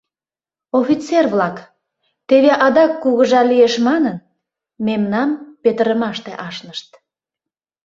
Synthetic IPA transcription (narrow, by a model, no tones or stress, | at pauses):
ofit͡serβlɑk | t̪eβeʔɑd̪ɑkːuɣəʒɑlijeʃmɑnən | memnɑmpet̪əɾəmɑʃt̪eʔɑʃnəʃt̪